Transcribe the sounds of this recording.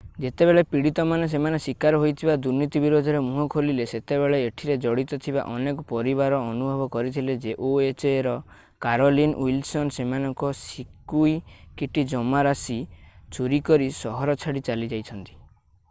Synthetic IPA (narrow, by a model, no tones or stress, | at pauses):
d͡ʒet̪ebeɭepiɽit̪ɔmanes̬emanesikaɾɔɦojt̪ʰibad̪uɾnit̪ibiɾod̪ʱɔɾemuɦɔkʰolileset̪eβeɭeeʈʰiɾed͡ʒɔɽit̪ɔt̪ʰiba̰ʔɔnekɔpɔɾiβaɾɔːnubʱɔbɔkɔɾit̪ʰiled͡ʒeʔoet͡ʃeɾɔ | kaɾɔlinwilsɔnsemanɔŋkɔsikujkiʈid͡ʒɔmaɾasit͡ʃoɾikɔɾisɔɦɔɾɔt͡ʃʰaɽit͡ʃalid͡ʒajt͡ʃʰɔnt̪i̥